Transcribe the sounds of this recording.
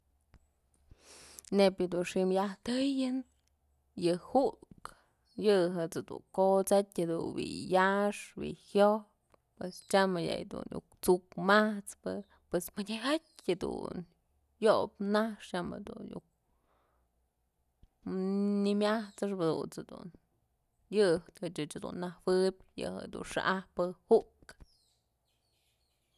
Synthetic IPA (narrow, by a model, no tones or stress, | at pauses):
nepjɨd̪unʂimjaht̪ɨjɨn | jɨhuʔk | jɨɦɨt͡sɨd̪ṵkot͡satʲhɨd̪unwḭjaʂwḭhjop | pwest͡ʃamɨja̰jd̪ṵnjṵkt͡sukmaht͡spɨ | pwesmɨdʲeɦat̚ʲhad̪ṵn | jopnahʂjamḛd̪unjuk̚ | nimʲaht͡sɨʂbad̪ṵnt͡shed̪ṵn | jɨht̪hɨt͡ʃɨt͡ʃhad̪ṵnːahwɨbʲjɨ̰hḛd̪ṵnʂa̰ʔahpɨhuʔk